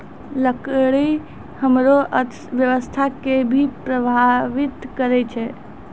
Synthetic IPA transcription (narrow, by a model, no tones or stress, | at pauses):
ləkɽi | həmɾoʔə | ʋjəʋəst̪ʰakebʱipɾəbʱaʋit̪kəɾɛt͡ʃʰɛ